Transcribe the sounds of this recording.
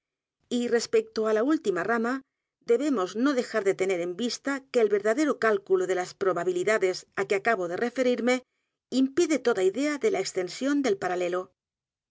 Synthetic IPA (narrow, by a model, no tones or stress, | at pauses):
ire̞spek̚t̪oalault̪imarama | ðe̞βe̞mo̞zno̞ðe̞xaɾðe̞t̪e̞ne̞ɾe̞mbist̪ake̞ːlβe̞ɾðaðe̞ɾokalkuloðe̞laspɾo̞βaβiliðaðe̞sakeakaβ̞oð̞e̞re̞fe̞ɾiɾme̞ | impiðe̞t̪o̞ðaiðe̞aðe̞laekst̪e̞nsjo̞nd̪e̞lpaɾale̞lo̞